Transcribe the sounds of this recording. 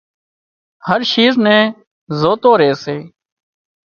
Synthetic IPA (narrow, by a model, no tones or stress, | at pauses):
həɾʃiːznẽː | zoːt̪oːɾeːseː